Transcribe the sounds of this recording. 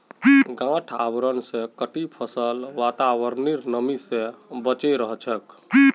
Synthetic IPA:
ɡãʈʰabɾənsẽkəʈipʰəsəlʋat̪awəɾniɾnəmisẽbət͡ʃeɾəɦt͡ʃʰək

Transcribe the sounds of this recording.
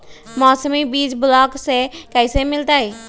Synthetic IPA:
mɔːsəmibiːd͡ʒbʊlɔːksekəisemɪlt̪ai

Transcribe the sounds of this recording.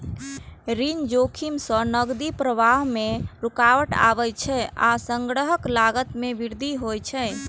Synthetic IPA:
ɾind͡ʒokʰimsə̃nəɡd̪ipɾəʋaɦmeɾukawəʈa̰bɛt͡ʃʰɛasəŋɡɾəɦəklaɡət̪mebiɾd̪ʱiɦojt͡ʃʰɛ

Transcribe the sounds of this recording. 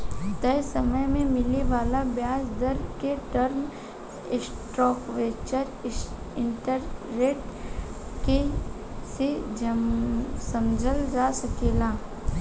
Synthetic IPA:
t̪ɛːsɐməjmẽmɪleʋaːlabjaːsd̪əɾkeʈəɾm | ɪsʈɾɔːkʋeːt͡ʃəɾ | ɪ̃ɳʈəɾːeːʈ | ke | sed͡ʒə | sɐmd͡ʒʱəld͡ʒaːsɐkeːlaː

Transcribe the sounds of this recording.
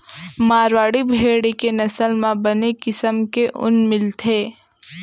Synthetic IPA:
maːɾwaːɽibʱeːɽikenɐsəlmãbɐnekɪsəmkeʔʊ̰nmɪlt̪ʰeː

